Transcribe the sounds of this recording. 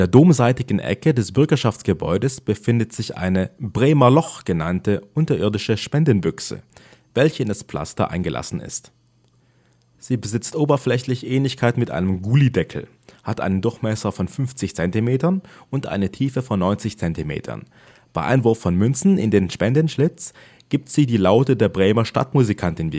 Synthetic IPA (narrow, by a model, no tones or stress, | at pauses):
ndeːɐdoːmzaɪtɪɡŋ̩ʔɛ̰kədɛsb̥ʏɐɡɐʃaft͡sɡ̥əbɔ̰ʏdəsb̥əfɪndətz̥ɪçʔa̰ɪnəbʁeːmɐlɔχɡ̥ənantəʔʊntɐʔɪɐdɪʃəʃpɛndən̩bʏksə̰ | vɛlçəɪndaspl̥a̰stɐ̰ʔa̰ɪnɡəlʔa̰sn̩ɪ̰st | z̥iːbəzɪt͡stʔoːbɐflɛçlɪçʔɛːnlɪçkʰaɪtmɪtʔa̰ɪnəmɡuːlidɛkʰl̩ | hatʔa̰ɪnəndʊɐçmɛsɐfɔnfʏnft͡sɪçt͡sɛntimeːtɐnʊntʔa̰ɪnətʰiːfəfɔnːɔʏnt͡sɪçt͡sɛntimḛːtʰɐ̰n | b̥aɪʔa̰ɪnvʊɐfːɔnmʏnt͡sn̩ɪ̰ndeːnʃpɛndənʃlɪt͡s | ɡ̥iːp̚tz̥iːdiːlaʊtədeːɐbʁeːmɐʃta̰tmuzikʰantɪnvḭ